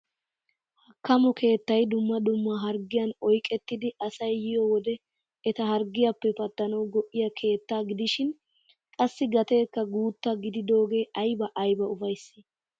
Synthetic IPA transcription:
hɐkːɐmɔkʰe̞ːt̪ːɐjd̪ʊmːɐd̪ʊmːɐɦɐɾɡɪjɐnɔjkʼɛt̪ːɪd̪ɪʔɐsɐjːɪjɔwɔd̪ɛ | ɛt̪ɐɦɐɾɡɪjɐpːɛpɐt̪ːɐnɐwɡɔʔːɪjɐkʰe̞ːt̪ːaːɡɪd̪ɪʃɪn | kʼɐsːɪɡɐt̪e̞ːkːɐɡuːt̪ːɐɡɪd̪ɪd̪o̞ːɡe̞ːʔɐjbɐʔɐjbɐʊfɐjsːɪ̥

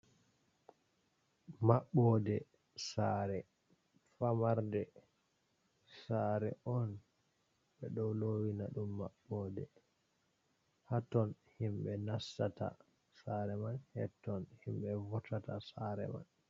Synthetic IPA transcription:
maɓːɔdɛ | saːɾɛ | famaɾdɛ | saɾɛɔn | ɓɛɗɔwlowinaɗumːa̰ɓːɔdɛ̰ | hatɔnhimɓɛnastata̰ | saɾɛmanhɛ̰tːɔnhimɓɛvɔtatasaɾɛ̰ma̰n

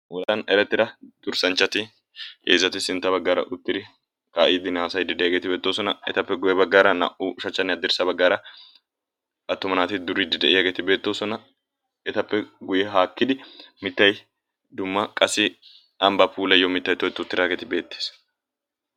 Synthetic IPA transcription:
wɔlɐnɛɾɛt̪ːɪd̪ɐd̪̥ʊɾsɐnt͡ʃːɐt̪ɪ | ḛːzɐt̪ɪsɪnt̪ːɐbɐɡːaːɾɐ̰ʔʊt̪ːɪd̪ɪ | kaːʔiːd̪ɪnaːsɐjd̪ɪd̪ɛjɐːɡeːt̪ɪbe̞ːt̪ːoːsɔnɐɛ̰t̪ɐpːɛɡʊjɛbɐɡːaːɾɐnɐ̰ʔuʃɐt͡ʃːɐnːɪɐd̪ːɪɾsɐbɐɡːaːɾɐ | ɐt̪ːɔmɐnaːt̪ɪd̪ʊɾɪd̪ɪd̪ɛʔɪjɐɡe̞ːt̪ɪbe̞ːt̪ːo̞ːsɔnɐ | ɛt̪ɐpːɛɡʊjɛɦaːkːɪd̪ɪmɪt̪ːɐj | d̪ʊmːɐkʼɐsɪ | ɐmbɐpʰuːlɐjɔmɪt̪ːɐjt̪ːɔɛt̪ːʊʊt̪ːɪd̪aːɡeːt̪ɪbe̞ːt̪ːeːs

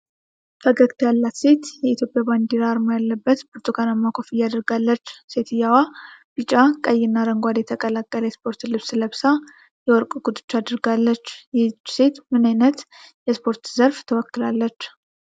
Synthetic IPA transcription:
fʰəɡəɡt̪ʰjalːat̪se̞t̪jɛit̪ʰjo̞pʼjaband̪iɾaɾmo̞jalːəbːət̪buɾt̪ʼukʰanamːakʰʼofɨjad̪əɾɡalːət͡ʃːse̞t̪ʰɨjawab̥ɨt͡ʃʼakʼəjːɪnːaɾəŋɡʷad̪jɛt̪ʰəkʼəlakʼːələjɛspʰo̞ɾt̪lɨβsɨləbsa | jɛwɔɾkʼɡ̥ut̪ʼɨ̥t͡ʃːad̪əɾɡalːət͡ʃːjt͡ʃːse̞t̪mɨnajnət̪jɛspʰo̞ɾt̪zəɾft̪ʰəwɔkːɨlalːət͡ʃː

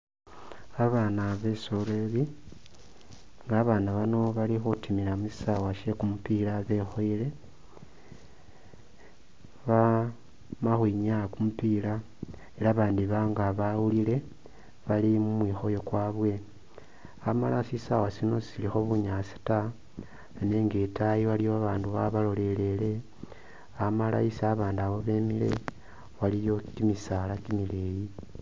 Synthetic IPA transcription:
aβanaβe̞soleβi | ŋɡaβanaβano̞βalixotimilamusi̥sawaʃe̞kumupilaβe̞xo̞ile̞ | βa | maxwiɲakumupila | e̞laβaːndiβaŋɡaβawulile̞ | βalimumwiːxo̞jo̞kwaːβwe̞ | amalasisawosino̞silixo̞βuɲasi̥ta | ne̞ːŋɡetajiβalijoaβaːnduβaβalo̞le̞le̞le̞ | amala̰isaβaːndawo̞βe̞ːmile̞̰ | βalijo̞kimisalakimileji

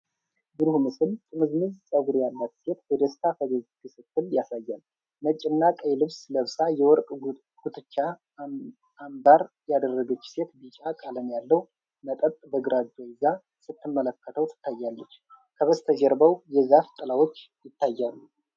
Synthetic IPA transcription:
bɨɾhumɨsɨlt̪ʰʼɨmɨznɨzsʼəɡuɾjalːat̪se̞t̪̚bɔd̪əst̪ʰafəɡəzk̪ʰɨsɨkːɨljasajːal | mət͡ʃʼːɪnːakʼəjlɨβsləβsʼajɛwɔɾkʼ | ɡ̥ut̪ʰʼɨt͡ʃːa | mbaɾ | jad̪ərːəɡət͡ʃːse̞t̪bɨt͡ʃʼakʼalənjalːəw | mət̪ʼət̪ʼbəɡɨɾad͡ʒ̪oɪza | sɨt̪ʰːɨmːələkːət̪ʰəwt̪ʰɨ̥t̪ːajːalːət͡ʃː | kʰəβəst̪ʰəd͡ʒɛɾbəwjɛzaft̪ʼɨlawot͡ʃː | jɪt̪ʰːajːalːu

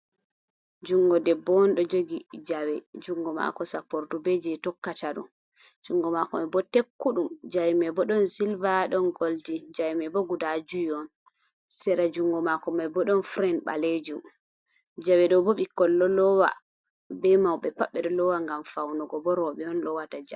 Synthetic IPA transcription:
d͡ʒuŋɡɔdɛbɔnɗɔd͡ʒoɡid͡ʒawɛd͡ʒuŋɡɔma̰kɔsapɔɾdubed͡ʒɛtɔkːataɗɔ̰n | d͡ʒuŋɡɔmakɔmabɔtekːuɗumd͡ʒajmɛbɔɗɔnsilvaɗɔnɡoldid͡ʒajmɛbɔɡudad͡ʒujɔn | sɛɾad͡ʒuŋɡɔmakɔmajbɔɗɔnfɾɛnɓa̰led͡ʒu | d͡ʒawɛɗɔbɔɓikːɔlːɔlɔwa̰ | bɛmawɓɛpaɓːɛɗɔlɔwaŋɡamfawnɔɡɔbɔɾɔɓɛɔnɗɔwatad͡ʒa̰

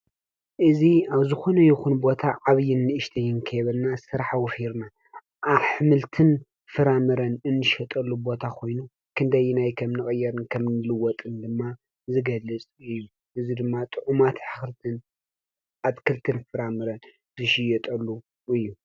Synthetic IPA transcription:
ʔɨziaβzɨxo̞nɐjɪxunbo̞t̪ʰaʕaβjɪnːɨʔɨʃt̪ʰɐjːɪnkʰɐjβɐlnasɨɾħawɔfiɾna | ʔaβħɨmɨlt̪ʰɨn | fɨɾamɨɾɐnɨnːɨʃɐt̪ʼɐlːubo̞t̪ʰakʰo̞jnu | kʰɨnd̪ɐjːnajkʰɐmnɨχʼɨjːɛɾɨnkʰɐmnɨlɨwɔt̪ʼɨnd̪ɨmːa | zɨɡɐlːɨt͡sʼɨjːu | ʔɨzid̪ɨmːat̪ʼɨʕumat̪ħɨxɾɨt̪ʰɨn | ʔaβkʰɨlt̪ʰɨnfɨɾamɨɾɐn | zɨʃɪjɛt̪ʼɐlːu | ɨjːu

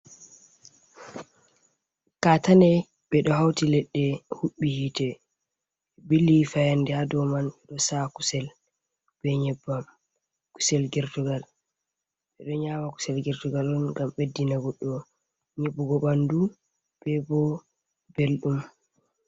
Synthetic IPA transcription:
katanɛ | ɓɛɗɔɦawtilɛɗːɛhuɓːihitɛ | bilːifajandɛhadɔmanɓɛɗɔsaku̥sɛl | b̥ɛɲɛbam | ku̥sɛlɡɛɾtuɡal | ɓɛɗɔɲamaku̥sɛlɡɛɾtuɡalɔnŋɡamɓedːinaɡɔɗːɔ | ɲebːuɡɔɓandu | b̥ɛbɔ | belɗum

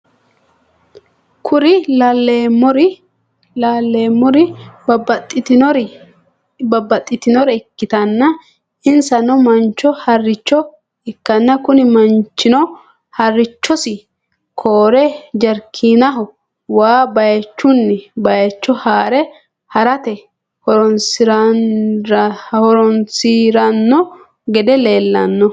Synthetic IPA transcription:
kʰʊɾɪɐlːeɔɾ | laːlːeːmːɔɾɪ | ɾ | bɐbːɐt̪ʼːɪt̪ɪnɔɾɛɪkːɪt̪ɐnːɐ | ɪnsɐnɔmɐnt͡ʃːɔhɐrːɪt͡ʃːɔ | ɪkːɐnːɐkʊnɪmɐnt͡ʃːɪnɔ | hɐrːɪt͡ʃːɔsɪ | kʰoːɾɛd͡ʒɐɾkʰiːnɐɦɔ | waːbɐjɐt͡ʃːʊnːɛbɐjɐt͡ʃːɔhaːɾɛ | hɐɾɐt̪ɛ | hɔɾɔnsɪɾɐ | hɔɾɔnsiːɾɐnːɔ | ɡɛd̪ɛle̞ːlːɐnːɔ

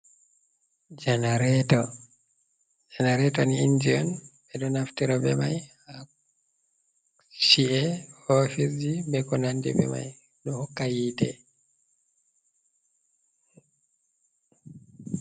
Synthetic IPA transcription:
d͡ʒanaɾɛtɔ | d͡ʒɛnaɾɛtɔniindiɔnbɛɗɔnaftɛɾɔbɛmajha | ʃiʔɛɔfisd͡ʒibɛkɔnandɛ̰bɛ̰ma̰j | ɗɔhɔkːajiːtɛ̰

